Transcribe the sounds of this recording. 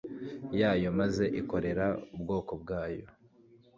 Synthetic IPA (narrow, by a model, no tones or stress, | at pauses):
jaːjo̞maze̞ʔiko̞ɾe̞ɾaubɡo̞ːko̞b̚ɡaːjo̞